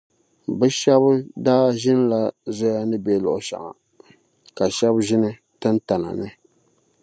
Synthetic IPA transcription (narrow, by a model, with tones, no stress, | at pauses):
bɨ˦ʃɛ˦bdaː˦ʒɪ˦n˦la˨za˦ja˦nɨ˦be˦lʊ̰˨ʔʊ˨ʃa̰˨ʔa̰˨ | ka˨ʃɛ˦bʒɪ˦nɨ˦ | tɨ˦nta˨na̰˨nɨ˦